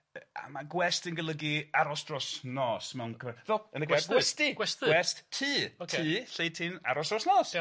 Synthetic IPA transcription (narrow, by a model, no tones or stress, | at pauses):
a̰maɡwɛstənɡəlˠəɡiaɾɔsd̥rɔsnɔːsmɛwnkʰəvɛvɛlˠənəɡɛɡwɛstiɡwɛstɡwɛsttʰiːotʰɨɬejtʰina̰ɾɔsdrɔsnɔːs